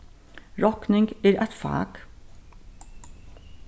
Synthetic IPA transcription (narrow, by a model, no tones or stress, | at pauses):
ɾɔknɪŋɡiːɾʔæt̪fɑ̰ːɡ